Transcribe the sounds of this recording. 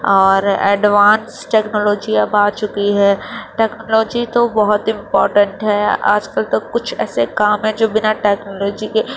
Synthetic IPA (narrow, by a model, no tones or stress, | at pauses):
ɔːɾɛ̰ːɖʋaːnsʈɛːknoːloːd͡ʒiabaːt͡ʃʊkiɦɛːʈɛːknoːlɔːd͡ʒit̪obɐɦʊt̪ɪ̃mpɔːɾʈə̃ɳʈɦɛːa̰ːd͡ʒkɐlt̪ɐkːʊt͡ʃʰɛ̰ːsekaːmɦɛ̃d͡ʒoːbɪnaʈɛːknoːloːd͡ʒike